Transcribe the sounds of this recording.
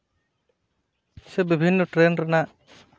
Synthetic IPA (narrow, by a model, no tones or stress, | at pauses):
sebibʱinːɔʈɾenɾɛnaʔ